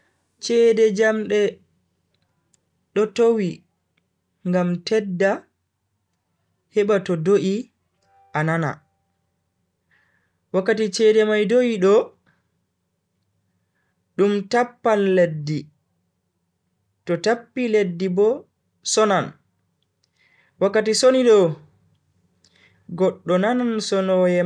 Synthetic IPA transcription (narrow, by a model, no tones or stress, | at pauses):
t͡ʃɛːdɛd͡ʒamɗɛ | ɗɔtowi | ŋɡamtɛdːa | hɛɓatɔdoʔi | ʔanana̰ | wakːatit͡ʃɛːdɛmajdojiɗɔ | ɗumtapːanledːi | tɔtapːiledːibɔ | sɔnan | wakːatisoniɗɔ | ɡɔɗːɔnanansɔnɔjɛ